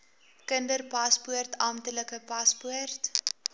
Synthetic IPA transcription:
kəndərpɐspuərtɐmtələkəpɐspuərt

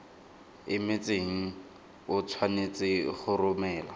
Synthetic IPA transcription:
ɪmet͡sʼeŋ̩ | ʊt͡sʰwanet͡sʼɪχʊrʊmɛːla

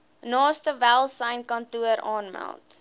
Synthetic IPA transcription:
nɑːstəvælˠsəjnkɐntuəɾɑːnmæ̰lˠt

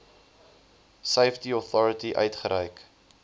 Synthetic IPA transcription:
səjftiɔθɔɾətiʔœ̰ɥtχəɾəjk

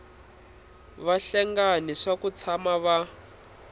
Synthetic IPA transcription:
βaɬɛŋɡaniʂakut͡sʰamaβa

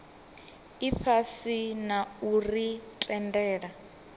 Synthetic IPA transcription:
iɸʰasinauritʼɛndɛːɺa

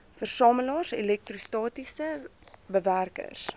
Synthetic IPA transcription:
fərsɑːməlɑːrsḛlɛk̚trustɑːtisəbəværkə̰rs

